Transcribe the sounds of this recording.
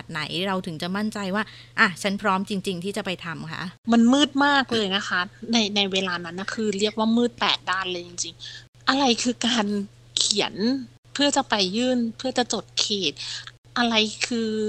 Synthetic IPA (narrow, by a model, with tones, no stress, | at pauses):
t̪̚na˩˦jɾa˧wt̪ʰɯ˩˦ŋt͡ɕa˨˩ma˥˩nt͡ɕa˧jwaː˥˩ | ʔa˧˩t͡ɕʰa˦˥npʰɾɔː˦˥mt͡ɕi˧ŋt͡ɕi˧ŋt̪ʰiː˥˩t͡ɕa˨˩pa˧jt̪ʰa˧mkʰa̰˦˥ʔma˧nmɯː˥˩t̪̚maː˥˩k̚lɤː˧jna˦˥kʰa˦˥na˧jna˧jweː˧laː˧na˦˥nːa˧˥˩kʰɯː˧ɾi˥˩ək̚waː˥˩mɯː˥˩t̪̚pɛː˨˩t̪̚daː˥˩nlɤː˧ji˧ŋt͡ɕi˧ŋ | ʔa˧ɾa˧jkʰɯː˧kaː˧n | kʰi˨˩˦ə˦n | pʰɯ˥˩ɐt͡ɕa˨˩pa˧jːɯː˥˩npʰɯ˥˩ɐt͡ɕa˨˩t͡ɕo˨˩t̪̚kʰeː˨˩t̪̚ | ʔa˧ɾa˧jkʰɯː˧